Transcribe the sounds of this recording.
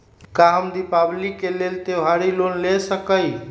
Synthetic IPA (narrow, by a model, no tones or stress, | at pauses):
kaɦəmd̪ipablikelelt̪eɦaɾilonlesəkəj